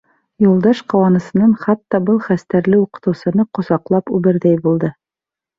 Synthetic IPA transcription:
julˠd̪ɑʃqɑwɑnɤ̆sɤ̆nɤɴχɑt̪ːɑbɤlˠχæst̪æɾlɘuqɤ̥̆t̪ɤ̆wsɤ̆nɤqŏsɑqlˠɑpʉbɘ̆ɾðæjbulˠd̪ɤ

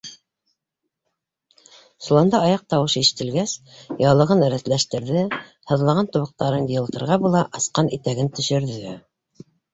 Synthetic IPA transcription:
sulˠɑnd̪ɑɑjɑq̚t̪ɑwɤʃiʃɘ̥̆t̪ɘ̆lɡæsjɑlˠɤ̆ʁɤnɘ̆ɾæθlæʃt̪ɘ̆ɾðɘ | hɤ̆ðlˠɑʁɑnt̪ŏβɤ̆q̚t̪ɑɾɤndijɤ̆lˠt̪ɤ̆ɾʁɑbulˠɑʔɑsqɑnit̪æɡɘnt̪ɵ̆ʃɘ̆ɾðɘ

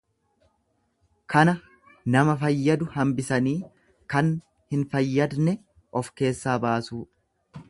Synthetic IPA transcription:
kɐnɐ | nɐmɐfɐjːɐd̪ʊhɐmbɪsɐniː | kɐn | hɪnfɐjːɐd̪nɛ | ɔfke̞ːsːaːbaːsuː

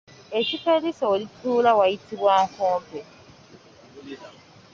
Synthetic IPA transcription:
ecikeɾisaolituːlawajitiβwaŋkoːmpe

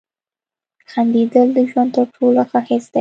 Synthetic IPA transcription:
xand̪id̪əld̪əʒwand̪̚t̪əɾʈʰolaxəhɪsd̪̥a

